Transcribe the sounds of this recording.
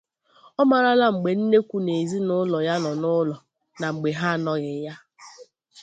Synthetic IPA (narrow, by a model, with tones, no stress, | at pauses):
ɔ˦ma˨ɾa˦la˦ŋ͡m̩˨ɡ͡be˨n̩˦ne˦kʷu˦ne˨zi˦nʊ˦lɔ˨ja˦nɔ˨nʊ˦lɔ˨ | na˨ŋ͡m̩˨ɡ͡be˨ɦa˦a˨nɔ˦ɣɪ˨˦ja˦